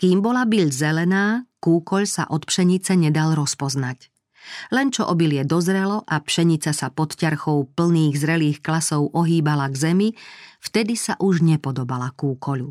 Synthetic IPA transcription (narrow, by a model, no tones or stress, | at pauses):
kiːmbɔlabiʎzɛlɛnaːkuːkɔʎsa̰ʔɔt̪pʃɛɲit͡sɛɲɛd̪alɾɔspɔznac | lɛnt͡ʃɔʔɔbilɪɛd̪ɔzɾɛlɔʔapʃɛɲit͡sasapɔt̪caɾxɔʊpl̩niːɣzɾɛliːxklasɔʊʔɔɦiːbalaɡzɛmift̪ɛd̪isaʔuʒɲɛpɔd̪ɔbalakuːkɔʎu